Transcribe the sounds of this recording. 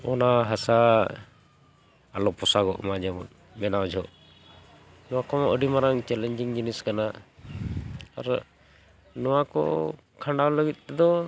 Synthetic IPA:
ɔnaɦasa | alɔpɔsaɡɔʔmad͡ʒɛmɔ̰t̪ | mɛnawd͡ʒʱɔʔ | nɔwakɔmɔʔəɖimaɾaŋt͡ʃɛlɛɲd͡ʒiŋd͡ʒiniskana | a̰ɾ | nɔwakɔ̰ | kʰaɳɖawləɡit̪̚ˀɛd̪ɔ

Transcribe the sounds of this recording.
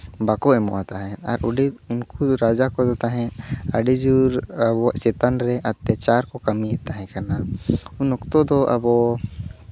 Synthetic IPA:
bakoɛmɔ̰ʔat̪aɦɛɐ̰ɾʔʊɖiʊnkuɾaːd͡ʒakod̪ɔt̪aɦɛ̃ɐɖid͡ʒuɾbɔsɛt̪anɾɛʔɐt̪jət͡ʃaɾkokɐmiet̪aɦɛ̃kaɾnaʊnʊkt̪od̪oʔɐ̰bɔ

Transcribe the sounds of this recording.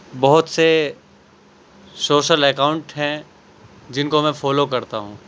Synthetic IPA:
bɐɦʊt̪se | soːʃəlɛkaːʊ̃ɳʈɦɛ̃ | d͡ʒɪnkomɛ̃fɔːlokɐɾt̪aɦũː

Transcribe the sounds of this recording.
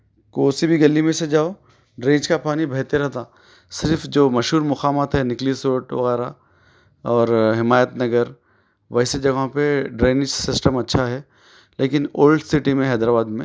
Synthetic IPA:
koːsibʱiɡɐlːimẽsed͡ʒaːo | ɖɾẽːd͡ʒkapaːnibʱɐɦt̪eɾɐɦt̪aː | sɪɾfd͡ʒoːmɐʃɦuːɾmʊxaːmət̪ɦɛnɪklisoːʈʋɐ̰ɣɛːɾa | ɔːɾɦɪmaːjət̪nɐɡəɾ | ʋɛɦsed͡ʒɐɡõpeɖɾeːnɪʃsɪsʈəmɐtːʃʰaɦɛ | leːkɪnoːlɖsɪʈimẽɦɛːd̪ɾaːbaːd̪mẽ

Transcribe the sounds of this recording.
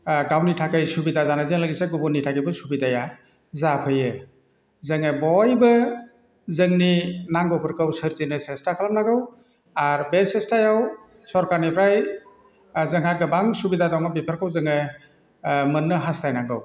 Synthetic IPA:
ɡawnitʰakɯjsubidazanɯzɯŋlaɡiseɡubunːitʰakɯbɯsubidaja | zapʰɯjɯ | zɯŋɯbɔjbɯ | zɯŋninaŋɡowpʰɯɾkʰɯwsɯɾtinɯsestakʰalamnaɡɯw | aɾbesestajaw | sɔɾkaɾnipʰɾaj | zɯŋɦaɡɯbaŋsubidadɔŋabipʰəɾkʰɯwzɯŋɯ | mɯnːɯɦastajnaŋɡɯ̰w

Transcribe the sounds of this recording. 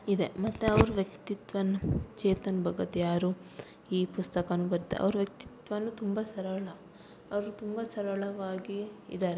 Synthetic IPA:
id̪e̞mɐt̪ːeɐʋɐɾuʋjɐk̚t̪it̪ʋɐnːut͡ʃɛːt̪ɐnbʱɐɡɐt̪jaːɾu | iːpust̪ɐkɐnubɐɾit̪ːḛʔɐ̰ʋɐɾuʋjɐk̚t̪i̥t̪ʋɐnːut̪umbɐsɐɾɐɭɐ | ɐʋɐɾut̪umbɐsɐɾɐɭɐʋaːɡḭːd̪aːɾe

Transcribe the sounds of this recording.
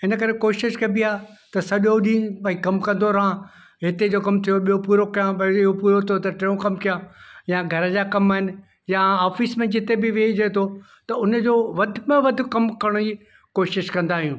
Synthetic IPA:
ɪnəkɐɾekoːʃɪʃkɐbiaː | t̪ɐsɐʄoɗĩːɐ̃ikɐmkɐ̃nd̪oɾɐɦã | ɦɪt̪ed͡ʑoːkɐmt̪ʰijoɓijopuːɾokɐjãɐiɦopuːɾot̪ʰot̪ɐʈẽːũkɐmkijãjãɡʱɐɾə̆d͡ʑaːkɐmaɦɪnɪ̆ | jaaːfismẽd͡ʑɪt̪ebɪʋeid͡ʑɐːt̪ʰo | t̪ɐʊnd͡ʑoːʋɐd̪ʱmẽʋɐd̪ʱʊ̆kɐmkɐɽ̃i | koːʃɪʃkɐ̃nd̪aːɦijũː

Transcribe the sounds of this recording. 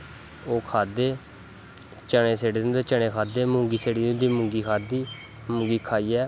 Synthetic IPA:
oːkʰaːd̪eː | t͡ʃəɳẽːseːɽiːd̪d̪eːt͡ʃəɳ̃ẽːkʰaːd̪eːmʊ̃ŋɡiːseːɽiːd̪nd̪iːmʊ̃ŋɡiːkʰaːd̪iː | mʊŋɡiːkʰaːiːɛː

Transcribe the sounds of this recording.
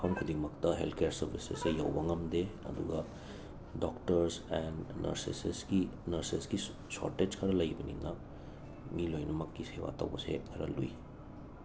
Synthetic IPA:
kʰɐmkʰudiŋmɐktɐɦḛltkʰejaɾsɐɾbisḛsejawbɐŋɐmdeɐ̰duɡɐ | doktɐɾsennɐ̰ɾsḛsesɡinɐɾsesɡi | so̰ɾted͡ʒkʰɐɾɐlɐjbɐnḭnɐ | milojnɐmɐkːisewa̰tɐ̰wbɐsḛkʰɐɾɐ̰luji

